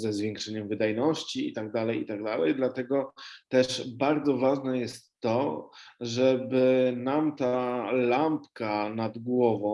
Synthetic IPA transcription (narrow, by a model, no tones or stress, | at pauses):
zɛzvʲjɛ̃ŋkʂɛɲɛmvɘd̪ajnɔɕt͡ɕiḭt̪aɡ̚d̪alɛjḭt̪aɡ̚d̪alɛjd̪lat̪ɛɡɔt̪ɛʂbaɾd̪zɔvaʐnɛjɛst̪ːɔ | ʐɛbɘnamt̪alampkanad̪ɡwɔvɔ̃